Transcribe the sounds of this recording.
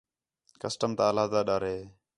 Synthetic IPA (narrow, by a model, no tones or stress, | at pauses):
kəsʈəmt̪aːlaːd̪aːɗaːɾeː